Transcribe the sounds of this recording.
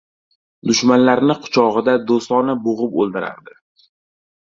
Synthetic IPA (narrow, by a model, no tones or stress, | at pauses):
d̪ʊʃmanlaɾnɪqʰʊ̥t͡ʃʰɒʁɨd̪ad̪ost̪ɒnaboʁɨpo̰lˠd̪ɪɾa̰ɾd̪ɪ